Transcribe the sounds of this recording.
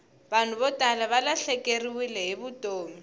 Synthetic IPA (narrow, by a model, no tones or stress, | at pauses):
ban̤ʊβɔtʼalaβalaɬɛkʼeriwilɛɦɪbʊtʼoːmi